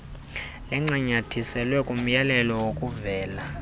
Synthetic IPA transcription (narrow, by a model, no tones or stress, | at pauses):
lɛŋ͡ǀiɲatʰisɛlwɛkʼum̩jalɛlɔwokʼuvɛːla